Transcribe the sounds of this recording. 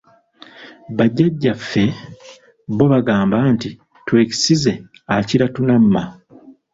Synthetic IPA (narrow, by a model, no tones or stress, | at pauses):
βaɟːaɟːafːe̞ | βo̞βaɡaːmbanti | twe̞ːci̥size̞ | aciɾatunamːa